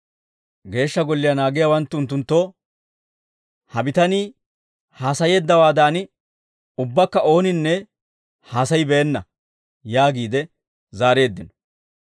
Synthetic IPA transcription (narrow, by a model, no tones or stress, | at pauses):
ɡe̞ːʃːɐɡɔlːɪjɐnaːɡɪjawɐnt̪ːʊʊnt̪ːʊnt̪ːoː | hɐbɪt̪ɐniː | haːsɐje̞ːd̪ːɐwaːd̪aːn | ʊbːɐkːɐʔo̞ːnɪnːɛ | haːsɐjbɛɛnːɐ | jaːɡiːd̪ɛ | zaːɾe̞ːd̪ːɪnɔ